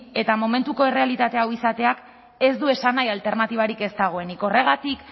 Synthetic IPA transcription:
e̞t̪amo̞me̞nt̪uko̞e̞re̞alit̪at̪e̞awisat̪e̞ak | e̞zd̪ue̞sanajalt̪e̞ɾnat̪iβ̞aɾike̞st̪aɣ̞o̞e̞niko̞re̞ɣ̞at̪ik

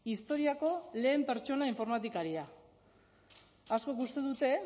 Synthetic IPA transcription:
ist̪o̞ɾiako̞le̞ːmpe̞ɾt͡ʃo̞naiɱfo̞ɾmat̪ikaɾia | asko̞kust̪e̞ðut̪e̞

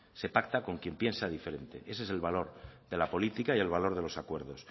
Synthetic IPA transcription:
se̞pak̚t̪ako̞ŋkje̞mpje̞nsaðife̞ɾe̞nt̪e̞̰ʔe̞s̬es̬e̞lβalo̞ɾðe̞lapo̞lit̪ikaie̞lβ̞alo̞ɾð̞e̞lo̞sakwe̞ɾð̞o̞s

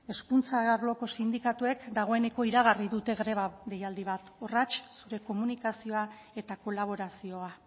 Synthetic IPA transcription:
e̞skunt͡saɣaɾlo̞ko̞sind̪ikat̪ue̞kd̪aɣ̞o̞e̞ne̞ko̞iɾaɣ̞ariðut̪e̞ɣɾe̞βaðe̞jald̪iβat̪orat͡ʃsuɾe̞ko̞munikasio̞a | e̞t̪ako̞laβ̞o̞ɾasio̞a

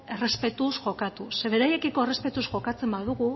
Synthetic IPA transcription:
ere̞spe̞t̪usʝo̞kat̪useβe̞ɾaje̞kiko̞ere̞spe̞t̪usʝo̞kat͡se̞mbaðuɣu

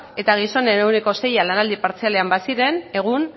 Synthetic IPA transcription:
e̞t̪aɣ̞iso̞nenewne̞ko̞se̞jalanald̪ipaɾt͡siale̞ambasiɾe̞ne̞ɣ̞un

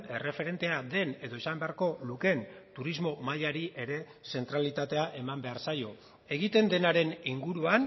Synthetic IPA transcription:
e̞re̞fe̞ɾe̞nt̪e̞ad̪e̞ne̞ðo̞isambe̞aɾko̞luke̞nt̪uɾizmo̞maʎaɾiʔe̞ɾe̞ | se̞nt̪ɾalit̪at̪e̞aʔe̞mambe̞aɾsajo̞ | e̞ɣit̪e̞nd̪e̞naɾe̞niŋɡuɾuan

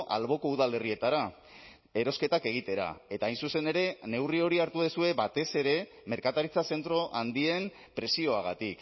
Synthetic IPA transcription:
ʔa̰lβo̞ko̞uðale̞rie̞t̪aɾa | e̞ɾo̞ske̞t̪ake̞ɣ̞it̪e̞ɾa̰e̞t̪aːjnsuse̞ne̞ɾe̞ne̞wrio̞ɾiaɾt̪uðesue̞βat̪e̞se̞ɾe̞ | me̞ɾkat̪aɾit͡sase̞nt̪ɾo̞ʔand̪ie̞m | pɾe̞sio̞aɣ̞at̪ik

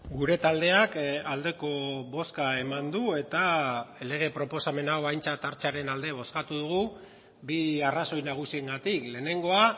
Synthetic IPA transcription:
ɡuɾe̞t̪ald̪e̞akald̪e̞ko̞βo̞skae̞mand̪ue̞t̪ale̞ɣ̞e̞pɾo̞po̞same̞nawajnt͡sat̪aɾt͡seaɾe̞nald̪e̞β̞o̞skat̪uðuɣu | biaraso̞jnaɣ̞usie̞ŋɡat̪ikle̞ːne̞ŋɡo̞a

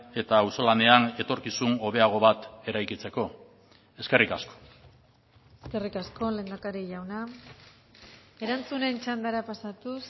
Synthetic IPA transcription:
e̞t̪awso̞lane̞ane̞t̪o̞ɾkisuno̞βe̞aɣ̞o̞βat̪e̞ɾajkit͡se̞ko̞ | e̞ske̞rikasko̥ | eske̞rikasko̞le̞ːnd̪akaɾiʝawna | e̞ɾant͡sune̞nt͡ʃand̪aɾapasat̪us

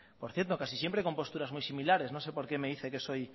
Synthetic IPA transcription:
poɾθjeɾt̪okasisjempɾeko̞mpo̞st̪uɾazmujsimilaɾeznõnsepo̞ɾkemeðiθekesoj

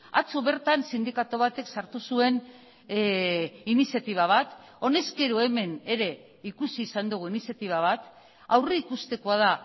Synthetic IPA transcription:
a̰t͡suβe̞ɾt̪ansind̪ikat̪oβ̞at̪e̞ksaɾt̪usue̞n | inisjat̪iβ̞aβ̞at̪ | o̞ne̞ske̞ɾoe̞me̞ne̞ɾe̞ | ikusiːsand̪uɣ̞uinisjat̪iβ̞aβ̞at̪ | awreikust̪e̞ko̞að̞a

